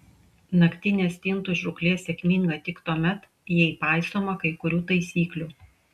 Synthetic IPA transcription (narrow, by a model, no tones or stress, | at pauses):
nɐkʲt̪ʲɪnʲeːst̪ʲɪnt̪ʊʒʲɾʊklʲeːsʲɛkʲmʲɪŋɡɐt̪ʲɪkt̪uɔmʲɛt̪ | jɛɪpɑˑɪst̪oːmɐkɐɪkʊɾʲuːt̪ɐɪsʲiːklʲuː